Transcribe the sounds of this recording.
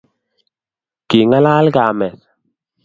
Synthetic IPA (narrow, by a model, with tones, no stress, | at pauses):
ki˨ŋa˦laː˦lɡa˨mɛ˨s